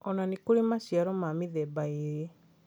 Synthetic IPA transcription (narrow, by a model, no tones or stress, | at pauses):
ɔnanikuɾimasjaɾɔmamiðɛbaiɾe